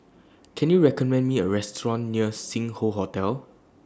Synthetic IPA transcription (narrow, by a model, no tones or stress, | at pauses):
kʰɛ̃njuɹɛkɔmɛ̃ndmiəɹɛstɹɔ̃nːiəsĩŋhoɦɔtɛl